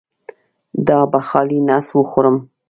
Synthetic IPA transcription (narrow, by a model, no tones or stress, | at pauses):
d̪ɑbaxɑlinaswəxoɾəm